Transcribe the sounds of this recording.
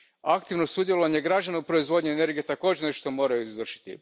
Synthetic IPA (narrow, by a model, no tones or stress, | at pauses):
akt̪iʋnosud̪jelo̞ʋaɲeɡɾad͡ʑanaupɾo̞izʋo̞d̪ɲiene̞ɾɡiet̪akoːd͡ʑeneʃt̪o̞mo̞ːɾajuizʋr̩ʃi̥t̪ḭ